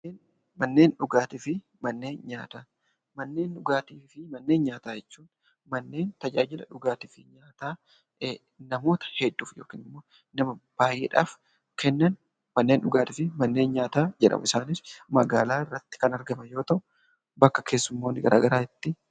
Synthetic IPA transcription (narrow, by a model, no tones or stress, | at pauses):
mnːeːn | mɐnːe̞ːnᶑʊɡaːt̪ɪfɪ | mɐnːe̞ːnɲaːt̪aː | mɐnːe̞ːnᶑʊɡaːt̪iːfɪmɐnːeːnɲaːt̪aːjɛt͡ʃːuːn | mɐnːe̞ːnt̪ɐd͡ʒaːd͡ʒɪlɐ̰ᶑʊɡaːt̪ɪfɪɲaːt̪aː | nɐmo̞ːt̪ɐ̥hɛd̪ːuːfjo̞̰ːkḭːnɪmːo̞ː | nɐmɐb̥aːjʔeːᶑa̰ːf | kʰɛnːɐn | mɐnːe̞ːnᶑʊɡaːt̪ɪfɪmɐnːe̞ːnɲaːt̪aːd͡ʒɛᶑɐ̰mʊ̰ɪsaːnɪfmɐɡaːlaːrːɐt̪ːɪ̥kɐnɐɾɡɐmɐjo̞ːt̪ɐʔʊ | bɐkːɐ̥kʰe̞ːsːʊmːoːnːɪɡɐɾʔa̰ːɡɐɾaːɪt̪ːɪ